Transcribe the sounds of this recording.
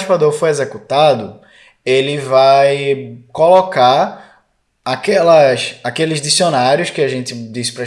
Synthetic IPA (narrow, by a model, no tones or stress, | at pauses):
ʃpad̪oɾfojezekut̪ad̪ʊ | elɪvajkolɔkaɾ | akɛlɐʃakelɪzd̪isionaɾjʊskɪaʒẽnt̪ɪd̪isɪ̥pɾɐ